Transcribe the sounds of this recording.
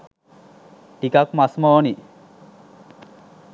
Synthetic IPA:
ʈikakmasmɔni

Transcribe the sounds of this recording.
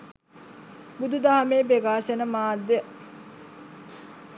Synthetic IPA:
bud̪ud̪aɦameːbeɡaːʃenəmaːd̪ːe

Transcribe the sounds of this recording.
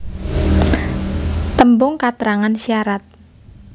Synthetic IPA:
t̪əmbʊŋkat̪əɾaŋansiaɾat̪̚

